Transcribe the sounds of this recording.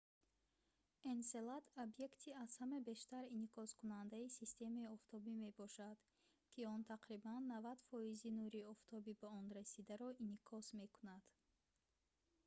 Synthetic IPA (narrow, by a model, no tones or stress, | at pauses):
ense̞lat̪ʰobje̞kt̪ʰiaz̥hamabe̞ʃt̪aɾinikʰɔskunand̪aisist̪e̞maiɔft̪ʰɔbime̞bɔʃad̪ | kʰiɔnt̪ʰaqɾibanːavad̪fɔizinuɾiɔft̪ʰɔbibaɔnɾasid̪aɾɔinikʰɔsme̞kunad̪̥